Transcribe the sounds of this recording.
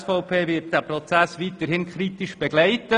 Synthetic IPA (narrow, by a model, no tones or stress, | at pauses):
sfɔʊpʰeːvɪt̚d̥æːprɔt͡sæsʋit̪ːəɾhɪnkʰɾit̪ɪʃb̥ɛɡlɛɪt̪ə